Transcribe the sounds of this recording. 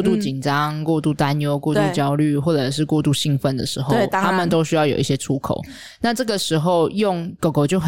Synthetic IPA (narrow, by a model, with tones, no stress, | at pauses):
t̪u˥˩t͡ɕi˨˩nʈ͡ʂɑ˦˥ŋkwɔ˥˧t̪u˥˩t̪a˦njo˧˥ʊkwɔ˥˧t̪u˥˩t͡ɕjɑ˦ʊly˥˩xwɔ˥˩ʈ͡ʂɤ˨˩ʂ̬ɻ̩˥˧kwɔ˥˧t̪u˥˧ɕi˥˧ŋfə˥˩nd̪ə˩ʂɻ̩˧˥xo˥˧ʊ˥˨t̪ʰa˥mə˨nt̪o˥ʊɕ̬y˥jɑ˥˩jo̰˨˩ʊi˥ɕjɛ˦˥ʈ͡ʂʰu˥kʰo̰˨˩ʊ | na˥˧ʈ͡ʂɤ˥˩ɡə˩ʂɻ̩˧˥xo˥˧ʊjo˥˩ŋko˨˩ʊko˨˩ʊt͡ɕjo˥˩x